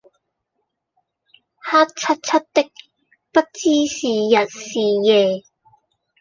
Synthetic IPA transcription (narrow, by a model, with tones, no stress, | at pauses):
haː˥t̚t͡sʰɐ˥t̚t͡sʰɐ˥t̚t̪ɪ˥k̚ | pɐ˥t̚t͡siː˥siː˨˩jɐ˨t̚siː˨˩jɛː˨˧